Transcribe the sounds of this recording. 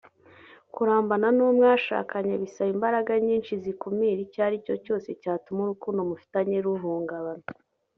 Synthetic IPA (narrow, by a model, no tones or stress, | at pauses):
kuɾaːmbananuːmŋaːʃa̰ːkʰaɲeβisaimbaɾaɡaɲiːnʃizikumiɾicaːɾico̞co̞ːse̞caːtumuɾukuːndo̞mufi̥taɲeɾuɦuːŋɡaβana